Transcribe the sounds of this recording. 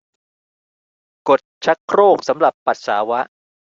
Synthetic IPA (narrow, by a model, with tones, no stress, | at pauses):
ko˨˩t̪̚t͡ɕʰa˦˥kʰːɾoː˥˩k̚sa˩˦mɾa˨˩pːa˨˩t̪̚saː˩˦wa˦˥ʔ